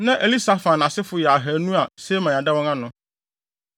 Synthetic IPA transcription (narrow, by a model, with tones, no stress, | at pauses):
nã˦ʔe˨li˦sa˨fã˨nã˨sɪ˦fʊ˦jɛ˨a˨ɦæ˨˦nũ˦a˨se˦mã˨a˨dɛ˦wɔ̃˦ŋã˦nʊ̃˦